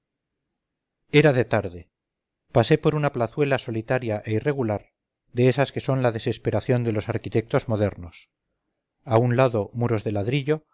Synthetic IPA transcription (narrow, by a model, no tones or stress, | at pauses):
e̞ɾaðe̞t̪aɾðe̞ | pase̞po̞ɾunaplaθwe̞laso̞lit̪aɾjaʔe̞ire̞ɣulaɾ | ðeesaske̞so̞nlaðe̞se̞spe̞ɾaθjo̞nd̪e̞lo̞saɾkit̪e̞k̚t̪o̞zmo̞ðe̞ɾno̞s | aunlaðo̞muɾo̞zðe̞laðɾiʎo̞